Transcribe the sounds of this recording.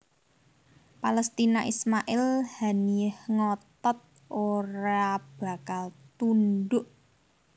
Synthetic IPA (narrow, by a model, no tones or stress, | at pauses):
paləst̪inaʔismaʔɪlhaniəhŋɔt̪ɔt̪̚ | oɾab̥a̤kalt̪unɖʊʔ